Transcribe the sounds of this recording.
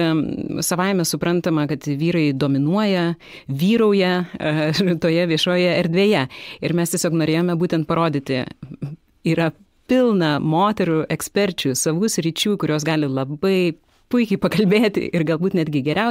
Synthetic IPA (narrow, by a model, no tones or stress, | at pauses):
sɐʋɐɪmʲɛsʊpɾɐnt̪ɐmɐkɐt̪ʋʲiːɾɐɪd̪oːmʲɪnuɔjɛ | ʋʲiːɾɐʊjɛ | t̪oːjɛʋʲiɛʃoːjɛɛɾʲd̪ʲʋʲeːjɛɪɾmʲɛst̪ʲiɛsʲoːknoːɾʲeːjoːmʲɛbuːt̪ʲɛnt̪̚pɐɾoːd̪ʲɪt̪ʲɪ | iːɾɐ | pʲɪlˠnɐmoːt̪ʲɛɾuʔɛksʲpʲɛɾʲt͡ʃʲʊsɐʋuːsʲɾʲit͡ʃʲuːkʊɾʲoːs̬ɡɑːlʲɪlˠɐbɐɪ | pʊɪkʲɛɪpɐkɐlʲbʲeːt̪ʲɪ̰ʔɪrɡɐlˠbuːt̪nʲæd̪ʲɡʲɪɡʲɛɾʲɛʊ